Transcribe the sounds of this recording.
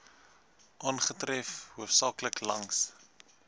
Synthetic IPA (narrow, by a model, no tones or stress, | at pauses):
ʔɑːnχətrɛfhuəfsɑːkləklɐŋs